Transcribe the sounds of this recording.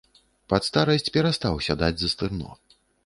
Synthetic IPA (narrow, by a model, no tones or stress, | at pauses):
pɐt̪st̪aɾɐsʲt͡sʲpʲɛɾast̪awsʲad̪ad͡zʲzɐst̪ɨrnɔ̰